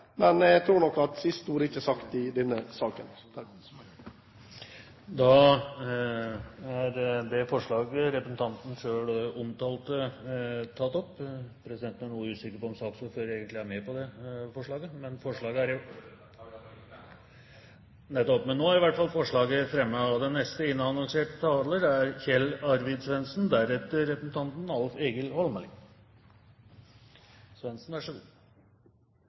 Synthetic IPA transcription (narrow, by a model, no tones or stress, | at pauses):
mɛnæt̪ʰɾuːɾɳɔkːɑt̪sɪst̪uːɾəɪçːəsɑkt̪ɪd̪ɛnːəsɑːkə̰n | d̪ɑ | æɾd̪ɛfɔʂɭɑːɡəɾɛpɾəsnt̪ʰɑnt̪n̩ʂøːɽɔmt̪ʰɑːlt̪ə | t̪ʰɑt̪ːɔpːpʰɾɛsɪd̪ɛnt̪næɳuːəʉːsɪkːəɾpɔɔmsɑːksɔføːɾeːɡənt̪lɪæɾmɛpɔd̪ɛfɔʂɭɑːɡəmɛnfɔʂɭɑːɡəæɾʊ | nɛt̪ːɔpmɛnːoːæɾɪʋæʈfɑlˠfɔʂɭɑːɡəfɾɛmːəɑd̪ɛnːɛst̪əɪnːɑɑnɑŋseːʈt̪ʰɑːləɖɛæɾçɛlɑɾʋɪd̪sʋɛnsnd̪æɾɛt̪əːɛpɾəsnt̪ʰɑnt̪nɑlfeːɡəlhɔlməlɪ | sʋɛnsnʋæʂəɡu